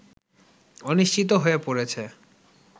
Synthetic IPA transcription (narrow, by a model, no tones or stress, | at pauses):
oniʃt͡ɕʰit̪̬oɦoepoɾet͡ɕʰe